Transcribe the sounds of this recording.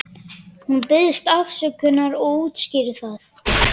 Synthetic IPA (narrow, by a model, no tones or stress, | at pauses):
hunpɪðɪst̪afsɛkʰʏnːaɾɔuːt̪scɪːɾɪθaθ